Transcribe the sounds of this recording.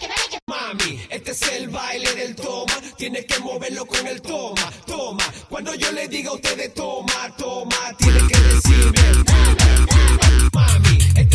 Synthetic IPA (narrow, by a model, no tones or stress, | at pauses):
mamiet̪ːeselbajleðelt̪omat̪jɛnekemɔveɾlokoŋelt̪ɔmat̪ɔmakwand̪ojoled̪iɡaot̪eðet̪ɔmat̪ɔmat̪jɛnekeresiβeɾ | mamie